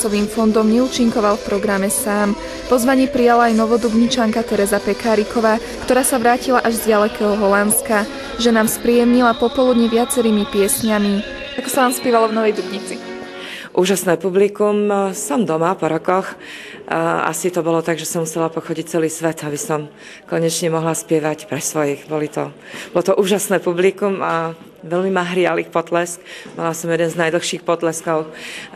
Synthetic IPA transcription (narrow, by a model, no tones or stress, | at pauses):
t͡sɔʋiːmfɔnd̪ɔmɲɛuːt͡ʃiŋkɔʋalfpɾɔɡɾamɛsaːm | pɔzʋaɲɪiːpɾijalaːjnɔʋɔd̪ubɲit͡ʃaŋkat̪ɛɾɛzapɛkaːɾikʰɔʋaː | kt̪ɔɾaːsaʋɾaːcilaʔaʒzdɪalɛkɛːɦɔɦɔlanska | ʒɛnaːmspɾijɛmɲilapɔpɔlud̪ɲiʋɪat͡sɛɾiːmipɪɛsɲami | akɔ̥sanaːmspɛʋalɔvnɔʋɛjd̪ubɲit͡si | ʔuːʒasnɛːpublikumsɔmd̪ɔmapɔɾɔkɔx | a̰sit̪ɔbɔlɔt̪aɡʒɛsɔmusɛlapɔxɔɟic̚t͡sɛliːsʋɛt̪abisɔm | kɔɲɛt͡ʃɲɛmɔɦlaspɪɛʋacpɾɛsʋɔjixbɔlit̪ɔ̰ | bɔlɔt̪ɔʔuːʒasnɛːpublikuma | ʋɛlmimaɦɾɪalixpɔt̪lɛskbɔlasɔmjɛd̪ɛnznajd̪l̩xʃiːxpɔt̪lɛskɔʊ